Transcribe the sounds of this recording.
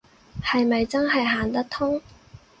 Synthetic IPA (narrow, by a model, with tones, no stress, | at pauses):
hɐ˨jmɐ˨jt͡sɐ˥nɦɐ˨jɦaː˨nt̪ɐ˥k̚t̪ʰʊ˥ŋ